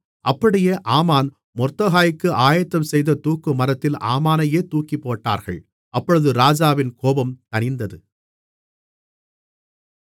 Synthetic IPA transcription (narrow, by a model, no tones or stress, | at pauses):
ʔɐpːɐɽɪjeːʔaːmaːn | mɔɾt̪ːɐɣaːjɪkːɯʔaːjɐt̪ːɐmsɛjðɐt̪uːkːɯmɐɾɐt̪ːɪla̰ːmaːnɐjeːt̪uːkipːoːʈːa̰ːɾɣɐ̰ɭ | ʔɐpːɔɻɯðɯɾaːd͡ʒaːʋɪnkoːbɐmt̪ɐnɪnd̪ɐðɯ